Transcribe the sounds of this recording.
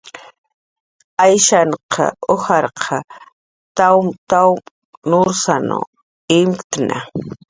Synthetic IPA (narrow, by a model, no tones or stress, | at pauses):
ajʃaɴqʰɑ̰ohɑɾqʰɑ | t̪amt̪aw | noʊɾsano̰ | ɪmkt̪nʔa̰